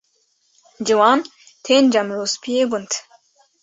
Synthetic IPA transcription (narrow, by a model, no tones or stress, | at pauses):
d͡ʒiwɑːn | t̪ʰeːnd͡ʒɐmɾoːspʰijeːbunt̪